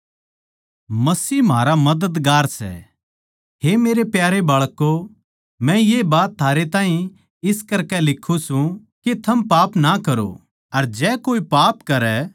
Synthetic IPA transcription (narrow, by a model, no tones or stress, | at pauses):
mɐsiːmʱaːɾamɐd̪əd̪ɡaːɾsɛ̰ | ɦemeːɾepjaːɾebaːɭkːo | mɛ̃jebaːt̪ʰːaːɾet̪ãːĩ | ɪskɐɾkɛlɪkʰːũsũ | ket̪ʰɐmpaːpnakɐɾo̰ | ɐɾd͡ʒɛːkoːipaːpkɐɾɛ